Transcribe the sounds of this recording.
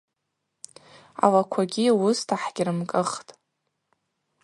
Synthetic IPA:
a̰lakʷʰaɡʲiwustʰaħɡʲɪrɨmkʼɨχtʼ

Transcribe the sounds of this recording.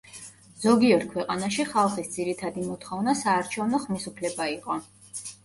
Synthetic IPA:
z̥ɔɡiɔɾkʰwɛqʼanaʃiχalˠχisd̪ziɾit̪ʰad̪imɔt̪ʰχɔvnasaːɾt͡ʃʰɛvnɔχmisupʰlɛbaiqʼɔ

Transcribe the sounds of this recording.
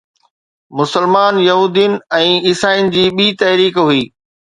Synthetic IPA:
mʊsəlmaːnjɐɦuːd̪ijʊnɪ̆ɛ̃ːɪsaːinɪ̆d͡ʑiːɓiːt̪ɐɦɾiːkɦuiː

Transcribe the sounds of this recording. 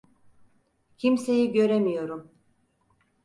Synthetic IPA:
cʰimse̞jiɟø̞ɾemijo̞ɾum

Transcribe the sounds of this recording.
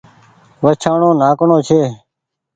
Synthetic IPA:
ʋət͡ʃʰaːɳõːnaːkɳõːt͡ʃʰeː

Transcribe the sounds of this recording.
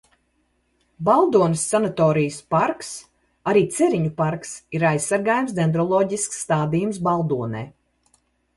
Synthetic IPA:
balˠd̪uɔnəsːanat̪ɔːɾijəspaɾks | aɾiːt̪sɛɾiɲupaɾksiɾajsːaɾɡaːjumsd̪ʲend̪ɾɔlˠɔːɟisksːt̪aːd̪ijumsbalˠd̪uɔnɛ̰ː

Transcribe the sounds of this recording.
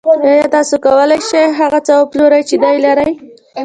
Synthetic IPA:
ɑjɑt̪ɑsokawəlajʃajɦaɣat͡səwəploɾajt͡ʃed̪ajlaɾəj

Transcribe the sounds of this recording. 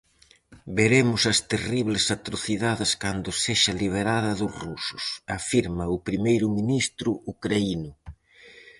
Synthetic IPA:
beɾemʊsɐst̪eriβlɪsat̪ɾoθiðaðɪskand̪ʊseʃɐliβ̞eɾaðɐðʊsrusʊsafiɾmɐʊpɾimejɾʊminist̪ɾʊukɾainʊ

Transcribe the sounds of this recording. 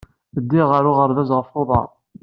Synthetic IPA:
əd̪ːiʁaɾʊʁəɾðæzʁəfoðˤɑ̰

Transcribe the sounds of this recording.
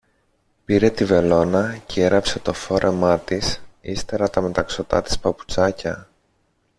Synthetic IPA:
piɾe̞t̪ive̞lo̞nɐceeɾɐpse̞t̪o̞fo̞ɾʔe̞mɐt̪isist̪e̞ɾɐt̪ɐme̞t̪ɐkso̞t̪ɐ̰t̪i̥spɐpu̥t͡sɐcɐ

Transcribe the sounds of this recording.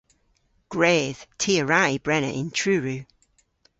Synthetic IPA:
ɡ̥ɹeːð̥tʰiəɹaibɹɛnə̰ʔɪ̃ntʰɹ̥ʉːɹʉː

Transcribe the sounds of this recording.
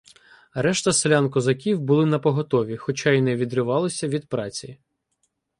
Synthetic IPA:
ɾɛʃt̪ɐslʲankɔzɐkʲiwbʊlˠɪnɐpɔɦɔt̪ɔʋʲixɔt͡ʃɑinɛʋʲid̪ɾɪʋɑlˠɔsʲɐʋʲid̪̚pɾɑt͡sʲi

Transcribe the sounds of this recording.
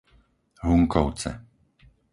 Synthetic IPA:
ɦuŋkɔʊt͡sɛ̰

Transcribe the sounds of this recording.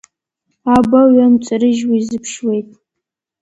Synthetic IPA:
abɐɥɐmt͡ʃʼɐɾɨʒwizɨpʰʃwejtʼ

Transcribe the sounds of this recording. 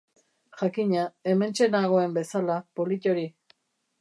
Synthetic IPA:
ʝakiɲae̞me̞nt͡ʃe̞naɣ̞o̞e̞mbe̞salapo̞lic̪o̞ɾi

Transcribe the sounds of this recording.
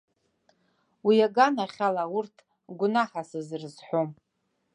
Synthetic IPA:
wiaɡanaχʲalawurtʰ | ɡʷʊnaħasɨzrɨzħʷom

